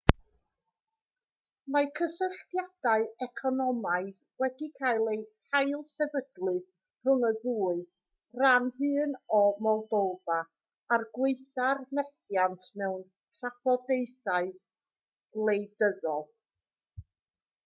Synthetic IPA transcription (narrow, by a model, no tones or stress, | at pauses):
makʰəsəɬtjad̥aɨɛkʰɔnɔmaɨð | wɛdikʰaɨlˠejhajlˠsɛvəɡlˠɨð | r̥ʊnəðuːɨ | ranhɨːnɔmɔlˠdovaː | rɡweɨθarmɛθjantʰmɛwn | tʰrafɔdejθaɨ | lˠejdəðɔlˠ